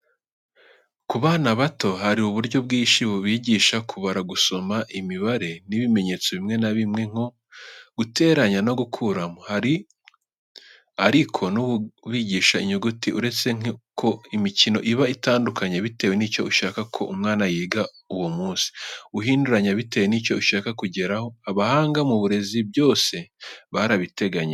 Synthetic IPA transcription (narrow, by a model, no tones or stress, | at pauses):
kuβaːnaβato̞ɦaɾiuβuɾɟo̞bɡiːʃiβuβiːɟiːʃakʰuβaɾaɡuso̞maʔimiβaɾe̞niβime̞ɲe̞ːt͡soβimŋe̞naβimŋe̞ŋ̥o̞ | ɡ̥ute̞ːɾaɲano̞ɡukʰuɾamohaɾi | aɾikʰo̞nuβiɟiːʃaḭɲuɡutiʔuɾe̞t͡seŋkʰo̞imicino̞ʔiβaitaːndukʰaɲeβite̞ːwe̞nicouʃaːkakʰo̞̰ʔumŋaːnajiːɡa | uwomuːnsi̥uɦiːnduɾaɲaβite̞ːwenico̞uʃaːkakuɟe̞ɾaho̞aβahaːŋɡamuβuɾe̞zibjo̞ːse̞βaɾaβite̞ɡaɲe